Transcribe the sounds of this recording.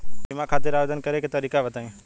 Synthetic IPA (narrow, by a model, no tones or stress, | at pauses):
dɪmãːkʰaːt̪ɪɾaːʋeːd̪ənkəɾeket̪əɾiːkabət̪ãː